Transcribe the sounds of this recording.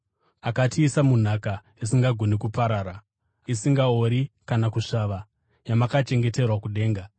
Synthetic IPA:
akatiːsamun̤aka | isiŋɡaɡʱonikupaɾaːɾa | isiŋɡaoɾikanakuʂaːʋa | jamakat͡ʃe̞ŋɡe̞te̞rwakuɗe̞ːŋɡa

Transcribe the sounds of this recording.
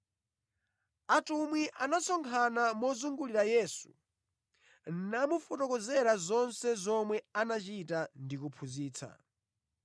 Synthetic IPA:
atumwiʔanasɔŋkʰanamɔzuŋɡuliɾajɛːsu̥ | namufɔtɔkɔzɛɾazɔnsɛzɔmwɛanat͡ʃitandikupʰuziːt͡sʰa̰

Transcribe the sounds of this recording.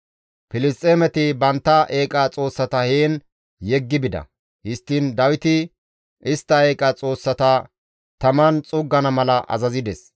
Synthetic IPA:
pɪlɪst̪ʼeːmɛt̪ɪbɐnt̪ːɐʔe̞ːkʼɐt͡sʼo̞ːsːɐt̪ɐheːn | jɛɡːɪbɪd̪ɐ̰ | hɪst̪ːɪnd̪ɐwɪt̪ɪ | ʔɪst̪ːɐeːkʼɐt͡sʼo̞ːsːɐt̪ɐ | t̪ɐmɐnt͡sʼʊɡːɐnɐmɐlɐʔɐ̰zɐzɪd̪ɛs

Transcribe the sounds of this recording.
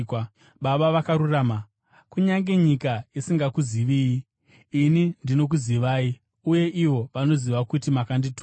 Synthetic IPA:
ɓaɓaʋakaɾuraːma | kuɲaŋɡe̞ɲikajesiŋɡakuziʋiːjiː | nindino̞k̬uziʋaːi | uje̞ʔiʋo̞ʋano̞ziʋakutimakanditu

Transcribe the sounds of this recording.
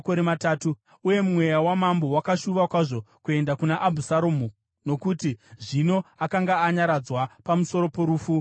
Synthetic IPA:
koɾemataːtu | uje̞mumwe̞jawamambo̞wakaʃuʋakwaʐo̞kue̞ndakunaʔabʱusaɾomo | no̞kutiʐino̞akaŋɡaːɲaɾad͡zwapamuso̞ɾo̞po̞ɾuːfu

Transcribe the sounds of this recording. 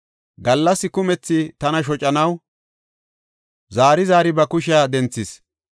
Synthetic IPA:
ɡɐlːɐsːɪkʊmɛt͡sːɪt̪ɐnɐʃ̬ɔt͡ʃʼɐnɐw | zaːɾɪzaːɾɪbɐkʊʃ̬ɪjaːd̪ɛnt͡sːɪs

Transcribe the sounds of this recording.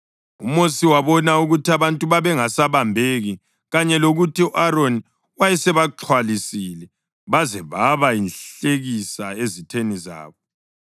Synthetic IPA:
ṵmosiwaβɔnauɣutiaβantʼuβaβɛŋasaβambʱeɣi | ɣaɲɛloɣutiuʔaɾoni | wajɛsɛβaǁʰwalisilɛ | βazɛβaβainɬeɣisaezitʰeniza̰ːβɔ

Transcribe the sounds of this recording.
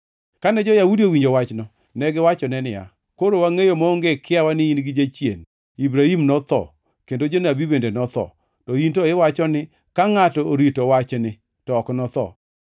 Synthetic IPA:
kanɛd͡ʒɔjaudiowiɲd͡ʒowat͡ʃnɔ | nɛɡɪwat͡ʃɔnɛnɪja̰ | koɾowaŋejomɔŋɡekɪawanɪinɡɪd͡ʒat͡ʃjḛn | ibɾaimnɔt̪ɔ̰ | kendod͡ʒonabibendenɔt̪ɔ̰ | tɔintoɪwat͡ʃɔnɪ | kaŋatɔoɾitowat͡ʃnɪ | tɔːknɔt̪ɔ̰

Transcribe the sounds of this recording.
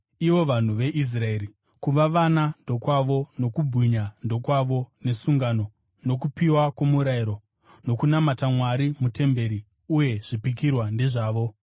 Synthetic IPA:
iʋo̞ʋan̤uʋe̞ʔis̬rae̞ːɾi | kuʋaʋanando̞kwaʋo̞no̞kubʱiɲando̞kwaʋo̞ne̞suŋɡano̞ | no̞k̬upiwakwo̞muɾaiɾo̞ | no̞kunamatamwaɾimute̞mbe̞ɾi | uje̞ʐ̥ipikirwande̞ʐaːʋo̞

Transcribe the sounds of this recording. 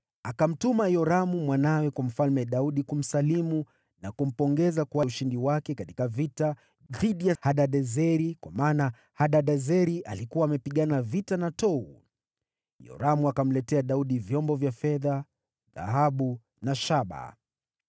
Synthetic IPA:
akam̩tumajɔɾamumwanawɛkwam̩falmɛɗauɗikum̩salimu | nakum̩pɔŋɡɛzakuwauʃindiwakɛkati̥kavita | ðiɗijahaɗaɗɛzɛɾikwamaːna | haɗaɗɛzɛɾiʔalikuwaːmɛpiɠanavitanatɔṵ | jɔ̰ɾamuakam̩lɛtɛaɗauɗivjɔmbɔvjafɛða | ða̰ɦaɓu | naʃaɓa̰

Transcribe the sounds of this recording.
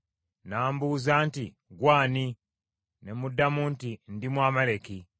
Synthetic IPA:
naːmbuːzaːnti | ɡwaːni | ne̞mudːamuːntindimwaːmaleki

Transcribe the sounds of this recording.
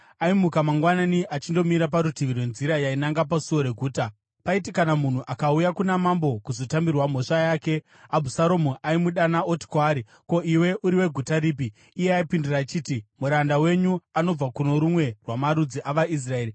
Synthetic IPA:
aimukamaŋɡwananiʔat͡ʃindo̞miɾap̬aɾutiʋirwe̞nziɾajainaŋɡap̬asuoɾe̞ɡʱuːta | paitikanamun̤uʔakaujakunamambo̞kuzo̞tambirwam̤o̞ʂajaːke̞ | abʱusaɾo̞muʔaimuɗanaoti̥kwaːɾi | ko̞iwe̞ʔuɾiwe̞ɡʱutaɾiːp̬iː | jeaipinduraːt͡ʃiːtimuɾandawe̞ɲuano̞b͡vakuno̞ɾumwe̞rwamaɾud͡ziʔaʋais̬rae̞ːɾi

